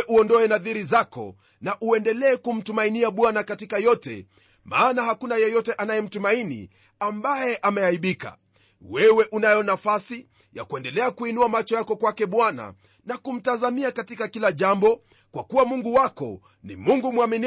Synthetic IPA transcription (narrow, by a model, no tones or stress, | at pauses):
ʔuɔndɔɛnaðiɾizakɔ̰ | naʔuɛndɛlɛːkum̩tumainiaɓwanakatikajɔtɛ̰ | maːnaɦakunajɛjɔtɛʔanajɛm̩tumainḭ | ambajɛʔamɛaiɓika̰ | wɛwɛʔunajɔnafasi | ja̰kuɛndɛlɛakuinuamat͡ʃɔjakɔkwakɛɓwana̰ | nakum̩tazamiakatikakilaʄambɔ | kwakuwamuŋɡuwakɔ̰ | nḭmuŋɡumwamin